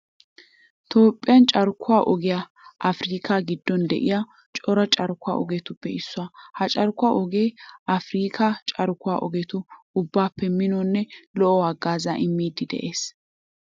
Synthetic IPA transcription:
t̪ʰoːpʼːɪjɐnt͡ʃʼɐɾkʰʊwaːʔɔɡɪja | ʔɐfɾiːkʰaɡɪd̪ːɔnd̪ɛ̰ʔɪja | t͡ʃʼɔɾɐt͡ʃʼɐɾkʊa̰ːɔɡɛt̪ʊpːɛɪsːʊaːhɐt͡ʃʼɐɾkʊaːʔɔɡeːɐfɾiːkʰɐt͡ʃʼɐɾkʊwa̰ːʔɔɡɛt̪ʊ | ʊbːaːpːɛmɪnɔːnːɛlɔʔɔwaɡːaːzaʔɪmːiːd̪ɪd̪ɛ̰ʔe̞ːs

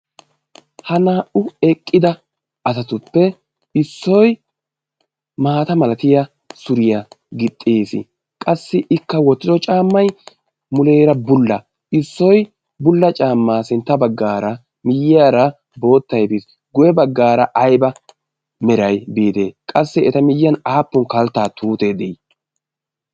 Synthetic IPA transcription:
hɐnaːʔʊɛkʼːɪd̪ɐ | ɐzɐt̪ʊpːɛ | ɪsːɔj | maːt̪ɐmɐlɐt̪ɪjɐ | sʊɾɪjɐɡɪt̪ʼːeːsɪ̰ | kʼɐsːɪʔɪkːɐwɔt̪ːɪd̪ɔt͡ʃʼaːmːɐj | mʊleːɾɐbʊlːɐ̰ | ɪsːɔj | bʊlːɐt͡ʃʼaːmːaːsɪnt̪ːɐbɐɡːaːɾɐ | mɪjɪjaːɾɐ | bo̞ːt̪ːɐjbis | ɡʊjɛbɐɡːaːɾɐʔɐjbɐ | mɛɾɐjbiːt̪ḛːkʼɐsːɛɛt̪ɐmɪjɪjɐnaːpːʊnkɐlt̪ːaːt̪uːt̪eːd̪ɛj

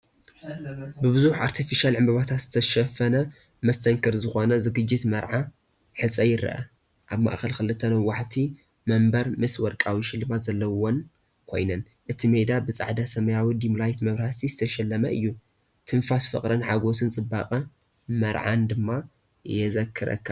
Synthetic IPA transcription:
bɨbɨzuħʔaɾt̪ʰifiʃalʕɨmbɐβat̪ʰat̪z̥ɨt̪ʰɐʃɐfɐnɐ | mɐst̪ʰɐŋkʰɐɾzɨxo̞nɐzɨɡɨd͡ʒːɪt̪mɐɾʕa | ħɨsʼɐjɪɾɐ̰ʔɐ̰ | ʔaβma̰ʔkʰɐlkɨlɨt̪ʰːɐnɐwːaħt̪ʰi | mɐmbɐɾmɨswɔɾkʼawiʃɪlːɨmazɐlːɐwon | kʰo̞jnɐn | ʔɨt̪ʰimed̪abɨt͡sʼa̰ʕd̪asɐmɐjawid̪imlajt̪mɐβɾasizɨt̪ʰɐʃɛlːɐmɐʔɨjːu | t̪ʰɨnfasfɨ̰χʼɾɐnħaɡo̞sɨnt͡sʼɨbːakʼɐ | mɐɾʕa̰nd̪ɨmːa | jɛzɐkʰːɨɾɐ̰kʰːa

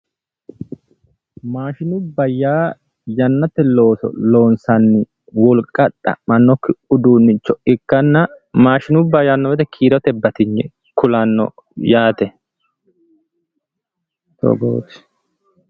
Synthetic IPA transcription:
maːʃɪnʊbːɐjaː | jɐnːɐt̪ːɛlo̞ːsɔ̰lo̞ːnsɐnːɪ | wɔlkʼːɐᶑɐ̰mɐnːɔkːɪʊd̪uːnːɪt͡ʃːɔɪkːɐnːɐmaːʃɪnʊbːɐjɐnːɔwɛt̪ɛkʰiːɾɔt̪ɛbːɐt̪ɪɲːɛ | kʊlɐnːɔ̰ | jaːt̪ɛ | t̪ɔ̰ɡo̰t̪ɪ̥

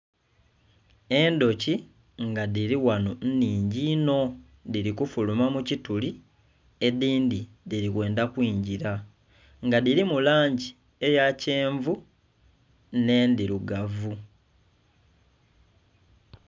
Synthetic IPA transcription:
e̞ndo̞ci | ŋɡaðiɾiwanon̩niːɲɟino̞ | diɾikufulumamucituli | e̞ðiːndi | ðiɾikwe̞ːndakwiːɲɟiɾa | ŋɡaðiɾimulaːɲɟi | e̞jaceːɱvu | ne̞ndiɾuɡavu

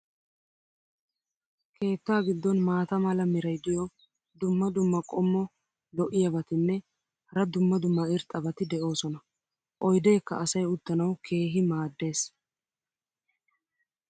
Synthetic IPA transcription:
kʰe̞ːt̪ːaːɡɪd̪ːɔnmaːt̪ɐmɐlɐmɪɾɐjd̪ɪjɔ | d̪ʊmːɐd̪ʊmːɐkʼɔmːɔ | lɔʔɪjɐbɐt̪ɪnːɛ | hɐɾɐd̪ʊmːɐd̪ʊmːɐɪɾt̪ʼɐbɐt̪ɪd̪ɛʔo̞ːsɔnɐ | ʔɔjd̪eːkːɐɐsɐjʊt̪ːɐnɐwkʰe̞ːɦɪmaːd̪ːe̞ːs

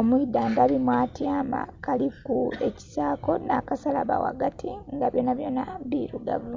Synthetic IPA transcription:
omuidːaːndaβimwaːtjaːma̰kalikueci̥saːko̞nakasalaβa̰wa̰ɡatʰiŋɡaβjo̞ːnaβjo̞ːnaβiɾuɡa̰vu

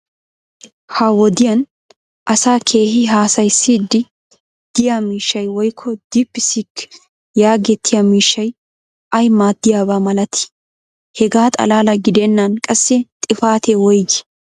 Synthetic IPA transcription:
hɐwɔd̪ɪjɐn | ʔɐsaːkʰe̞ːhɪɦaːsɐjsːiːd̪ːɪ | d̪̥ɪjamiːʃːɐjwɔjkʰːɔd̪̥ipːɪsik | jaːɡɛt̪ʰːɪjamiːʃːɐj | ʔɐjmaːd̪ːɪjaːbaːmɐlɐt̪ʰɪ̥ | hɛɡaːt̪ʼɐ̰laːlɐɡɪd̪ɛnːɐnkʼɐsːɛt̪ʼɪfaːt̪ɛwɔjɡɪ̥

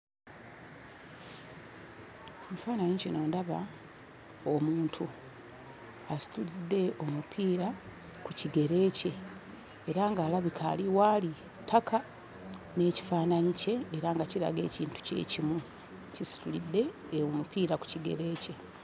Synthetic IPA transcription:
omufaːnaɲicenoːndaβa | omuːntʰu | asi̥tulidːe̞o̞mupʰiːɾa | kuciɡe̞ɾe̞ːce̞ː | ɾaŋɡaːlaβikʰa̰ːliwaːli | tʰakʰa | ne̞ːci̥faːnaɲice̞ːɾaŋɡaciɾa̰ɡe̞̰ːciːntu̥ce̞̰ːcimu | cisi̥tulidːe̞ | omupiːɾaku̥ciɡe̞̰ɾe̞ːce̞

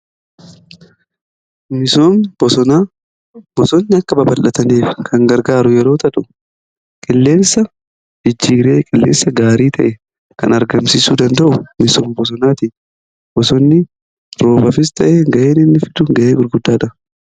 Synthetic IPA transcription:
mɪsoːmb̥ɔsɔnaː | b̥ɔsɔnːɪɐkːɐbɐbɐlʔɐt̪ɐneːfkʰɐŋɡɐɾɡaːɾʊjɛɾo̞ːt̪ɐᶑʊ | kʼɪlːe̞ːnsɐ | d͡ʒɪd͡ʒːiːɾe̞ːkʼɪlːeːnsɐɡaːɾiːt̪ʰɐʔɛ | kɐ̰nɐɾɡɐmsiːsuːd̪ɐnd̪ɐʔʊmɪsoːmbɔs̬ɔnaːt̪i | bɔsɔnːɪ | ɾo̞ːbɐfɪst̪ɐʔeːɡɐʔeːnɪnːɪfɪ̥d̪ʊɡɐʔeːɡʊɾɡʊd̪ːaːᶑɐ

